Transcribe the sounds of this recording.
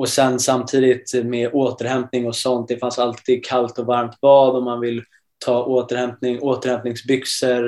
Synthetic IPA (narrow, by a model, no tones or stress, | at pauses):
ɔsɛnsamːt̪ʰiːd̪ɪt̪meʔoːt̪əɾhɛmp̚nɪŋɔsɔnt̪̚d̪ɛfansalt̪ʰiːd̪̚kʰalt̪ɔvaɾmt̪̚bɑːd̪ɔmːanvɪlː | t̪ʰɑːʔoːt̪əɾhɛmpnɪŋoːt̪əɾhɛmpnɪŋsbʏksəɾ